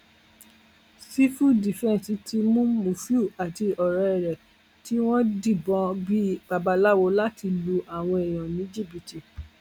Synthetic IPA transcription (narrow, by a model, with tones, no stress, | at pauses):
si˦fu˦di˨fɛ̃˦˨si˨˦tʰi˧mũ˦mũ˨fi˦u˦˨a˨ti˧ɔ˨ɾɛ˧ɛ˨ɾɛ˨ | ti˨˦w̃ɔ̃˦di˦˨bɔ̃˧˦bi˦ɡ͡ba˨ba˨˧la˦wo˧la˦ti˧lu˧ʔa˨w̃ɔ̃˧e˨j̃ɔ̃˨nĩ˨˦d͡ʒi˦˨bi˨ti˨